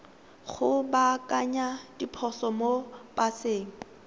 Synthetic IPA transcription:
χʊbakʼaɲad̥ipʰɔsɔmob̥aseːŋ̩

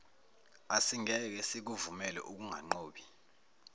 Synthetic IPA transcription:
asiŋɛk̬ɛsik̬uvumɛlɛ̰ʔuk̬uŋʱaŋ͡ǃoːɓi

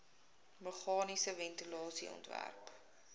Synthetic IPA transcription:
məχɑːnisəvɛntilɑːsiɔ̰ntvæ̰rp

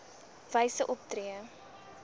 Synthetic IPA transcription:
v̥ɐjsəʔɔp̚triə

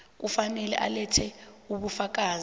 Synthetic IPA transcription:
k̬ufanɛlɛ̰ʔa̰lɛtʰɛuɓufak̬aːz

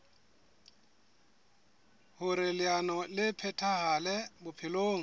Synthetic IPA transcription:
hʊɾɪlɪanɔlɪpʰɛtʰahalɛbʊpʰɪloːŋ̩

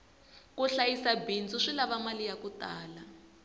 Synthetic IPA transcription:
kuɬajisabint͡sʼuʂilaβamalijakutaːla

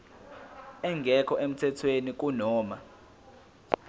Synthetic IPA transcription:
ɛŋɡʱɛkʰɔʔem̩tʰɛtʰwenik̬ʼunɔːma

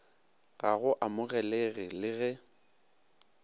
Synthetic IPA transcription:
ɣaɣʊʔamʊɣɛleɣɪlɪɣɛ

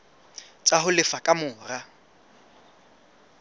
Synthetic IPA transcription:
t͡ʃʼaɦʊlɪfakʼamʊːra

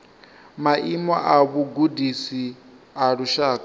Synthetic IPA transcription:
maʔimɔʔaβuɡudisi | aɺuʃaːka

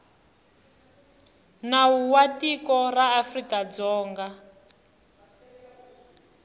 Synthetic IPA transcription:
nawuwatikɔraːfrikad͡zɔːŋɡa

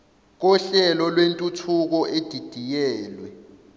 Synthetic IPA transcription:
k̬ɔɬɛlɔlwentʼutʰuk̬ɔʔed̥ʱid̥ʱijɛːlwɛ

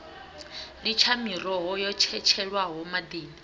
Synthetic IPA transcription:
lit͡ʃʰamirɔɦɔjɔt͡ʃʰɛt͡ʃʰɛɺwaɦɔmad̪eːni

